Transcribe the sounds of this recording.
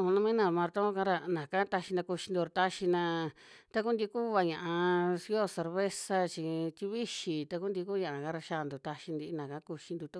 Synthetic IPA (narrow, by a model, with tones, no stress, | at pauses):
nã˧mĩ˦nã˧mã˧ɾt̪õ˦kã˦ɾa˧nã˨ka˦t̪a˧ʃi˧nã˧ku˧ʃi˧nd̪u˧ɾt̪a˧ʃi˧nã˧t̪a˦ku˦nd̪ʲi˧˦ku˦βa˧ɲã˧˨a˧si˧˦o˦se˧ɾβe˦sa˧t͡ʃi˧t̪ʲi˧βi˦ʃi˧t̪a˧ku˦nd̪i˧ku˦ɲã˨ʔa˧kã˦˧ɾa˧ʃa˧nd̪u˨˧t̪a˧ʃi˧nd̪i˧nã˨kã˦ku˧ʃi˧nd̪u˧t̪a˧